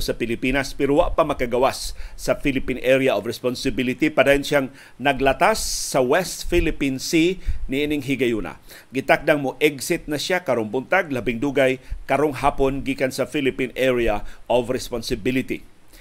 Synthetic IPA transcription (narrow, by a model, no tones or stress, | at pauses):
sɐpɪlipinaspɛɾowaʔpamɐkaɡawasːɐfilɪpinʔɛɾjaʔovɾɛspɔnsɪbilɪt̪ipad̪aːjonʃaŋ | nɐɡlɐt̪asːɐwɛst̪filɪpinsinɪʔiːnɪŋɦɪɡajuna̰ | ɡɪt̪ak̚d̪aŋmoʔɛɡsɪt̪̚nɐʃakɐɾoŋbʊnt̪aɡ̚labɪŋd̪uːɡajkɐɾoŋɦaːponɡikansɐfilɪpinɛɹiaʔovɾɛspɔnsɪbɪlɪt̪ḭ